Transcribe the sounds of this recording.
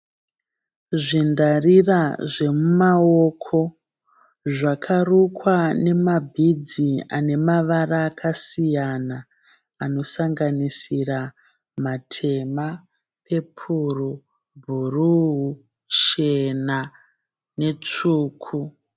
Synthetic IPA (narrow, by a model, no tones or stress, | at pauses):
ʐindariraʐe̞mumao̞kʰo̞ | ʐakʰarukwane̞mabʱid͡zia̰ne̞maʋaraːkʰasijanaː | no̞saŋɡanisira | matʰe̞ma | pʰe̞pʰuru | bʱuruɦu | t͡ʃe̞na | ne̞t͡ʂuːkʰu